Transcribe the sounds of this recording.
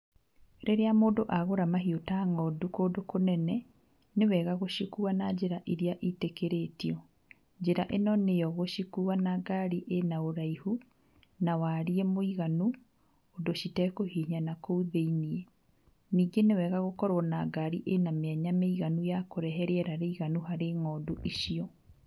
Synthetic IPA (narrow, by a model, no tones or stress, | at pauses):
ɾeɾeamoːdoʔaɣoɾamaɦiotaŋɔdukoːdokonɛnɛ | newɛɣaɣoɕikuanad͡ʑeɾaʔiɾiaʔitekeɾetiɔ | d͡ʒeɾaʔenɔnejɔɣoɕikuanaɡaɾiʔenaoɾaihu | nawaːɾiemoiɣanu | odoɕitɛkohiɲanakouðeiniɛ | niːɡenewɛɣaɣokɔɾɔnaɡaɾiʔenameɛɲameiɣanujakoɾɛɦɛɾeɛɾaɾeiɣanuhaɾeŋɔduʔiʃiɔ